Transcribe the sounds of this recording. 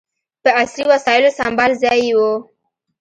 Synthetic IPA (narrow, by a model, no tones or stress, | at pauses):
pəasliwasɑɪlosambɑlzɑjwo